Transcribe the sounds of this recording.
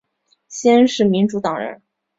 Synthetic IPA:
ɕjɛ˥nʂɻ̩˥˩mi˧˥nʈ͡ʂu˧˥t̪ɑ˨˩ŋɻə̰˧˥n

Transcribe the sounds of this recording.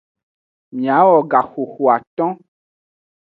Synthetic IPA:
mĩ˨a˨˦wɔ˨ɡa˨xo˨xo˨a˨t̪ɔ̃˦

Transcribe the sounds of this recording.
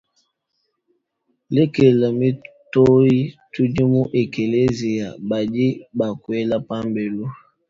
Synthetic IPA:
le˦ke˨la˨mi˦ | to˦i˦tu˦d͡ʒi˦mu˦ʔe˨ke˨le˦zi˨ja˨ba˨di˦ba˨kwe˦la˦pa˦mbe˨lo˦

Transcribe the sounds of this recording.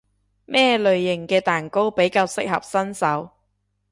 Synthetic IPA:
mɛː˥˩lɵ˨ɥjɪ˨˩ŋkɛː˧t̪aː˨˩nko˥wpe˨˥jkaː˧wsɪ˥k̚hɐ̰˨p̚sɐ˥nsɐ˨˥w

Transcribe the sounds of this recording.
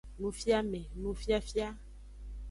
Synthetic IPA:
nũ˨fja˦mɛ̃˨nũ˨fja˦fi˦a˦

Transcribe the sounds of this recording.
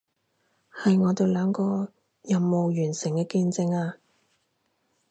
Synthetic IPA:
hɐ˨jŋɔː˨˧t̪e˨˧wlœː˨˧ŋkɔː˧ | jɐ˨mːo˨wjyː˨˩nsɪ˨˩ŋkɛː˧kiː˧nt͡sɪ˧ŋaː˧

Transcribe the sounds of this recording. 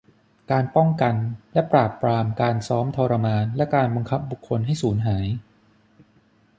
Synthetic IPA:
kaː˧npɔ˥˩ŋka˧nlɛ˦˥pɾaː˨˩pːɾaː˧mkaː˧nsɔː˦˥mt̪ʰɔː˧ɾa˧maː˧nlɛ˦˥kaː˧nbɔ˧ŋkʰa˦˥p̚bu˨˩kʰːo˧nɦa˥˩jsuː˩˦nɦaː˩˦j

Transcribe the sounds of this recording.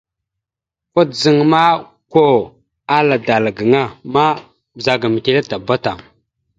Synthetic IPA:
kʷa˦d͡zə˦ŋma˦ | ko˦ | a˦la˨da˨lɡə˨ŋa˦ma˦ | bza˨ɡa˨mi˨te˦la˦ta˨ba˦ta˨

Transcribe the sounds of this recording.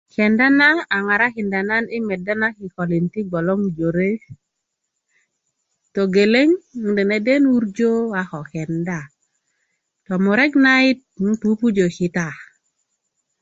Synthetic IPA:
kɛ˨nda˦naː˦˨ŋa˨ɾa˦ki˨nda˨na˦ni˦mɛ˨da˦na˦ki˨kɔ˨li˨nti˦ɡɔ˨lɔ˦ŋd͡ʒo˨ɾe˦ | to˨ɡe˨le˦ŋde˨ne˦de˦nu˦ɾd͡ʒo˦wa˨xɔ˨kɛ˨nda˦˨ | tɔ˨mu˨ɾɛ˦ɡna˦i˦t̚pu˦pu˦d͡ʒo˨ki˨ta˨

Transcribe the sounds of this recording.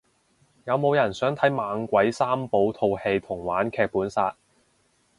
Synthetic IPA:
jɐ˨˧wmo˨˧wjɐ˨˩nsœː˨˥ŋt̪ʰɐ˨˥jmaː˨˧ŋkʷɐ˨˥jsaː˥mpo˨˧wt̪ʰo˧whe˧jt̪ʰʊ˨˩ŋwaː˨˥nkʰɛː˧k̚puː˨˥nsaː˧t̚

